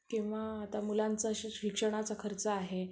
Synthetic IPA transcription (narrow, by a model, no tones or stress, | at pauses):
kĩw̃ʋaːt̪amulant͡saɕikʂəɳ̃at͡sakʰəɾt͡səaɦe